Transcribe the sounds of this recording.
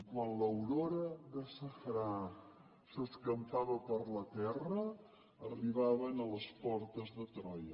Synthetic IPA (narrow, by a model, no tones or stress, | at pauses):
kwanləwɾoɾəðəsəfɾa | səskəmfaβəpəɾlət̪ɛrə | əriβ̞aβənələspɔɾt̪əzðət̪ɾɔjə